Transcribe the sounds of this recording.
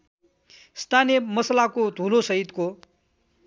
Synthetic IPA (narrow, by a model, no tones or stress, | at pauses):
st̪ʰanjemʌslakod̪ʱulosʌɦit̪ko